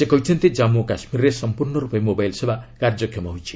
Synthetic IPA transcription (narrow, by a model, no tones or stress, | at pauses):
sekʌjt͡sʰʌnt̪id͡zamokasmirresʌmpurnʌɾupemobajlsebakard͡zʌkʰjemaɦujt͡sʰi̥